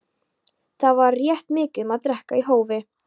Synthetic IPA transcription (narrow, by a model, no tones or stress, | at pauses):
θavaɾːjɛht̪mɪːcɪmaðt̪ɾɛhkaiɦoːwvɪ